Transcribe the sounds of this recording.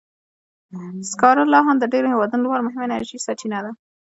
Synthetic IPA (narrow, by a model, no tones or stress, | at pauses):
skɑɾalɑɦand̪əɖeɾohewɑd̪ənolwɑɾmʊɦɪmenaɾʒisat͡ʃʰinad̪a